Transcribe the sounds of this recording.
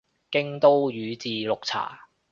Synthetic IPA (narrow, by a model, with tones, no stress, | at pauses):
kɪ˥ŋt̪o˥wjyː˨˧t͡siː˨˧lʊ˨k̚t͡sʰa̰ː˨˩